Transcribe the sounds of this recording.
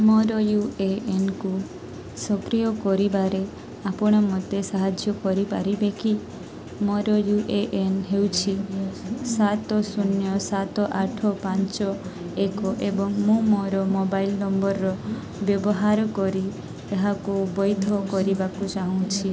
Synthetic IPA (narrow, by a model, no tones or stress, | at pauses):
mɔɾɔjueenku | sɔpɾijɔkɔɾibaɾe | apɔɽ̃ɔmɔd̪esaɦad͡ʒjɔkɔɾipaɾibeki | mɔɾɔjuʔeʔenɦewt͡ʃʰi | sat̪ɔsunjɔsat̪ɔʔaʈʰɔpãnt͡ʃɔ | ekɔʔebɔŋmũmɔɾɔmobailnɔmbɔɾːɔ | bjɔbɔɦaɾɔkɔɾi | eɦakubɔjd̪ʱɔkɔɾibakut͡ʃaɦũt͡ʃʰi